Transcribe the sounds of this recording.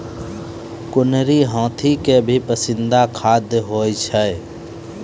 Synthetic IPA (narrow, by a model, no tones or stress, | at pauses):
kʊnɾiɦɔ̃ːt̪ʰikebʱipəsɪ̃nd̪akʰaːd̪ɦoːjt͡ʃʰə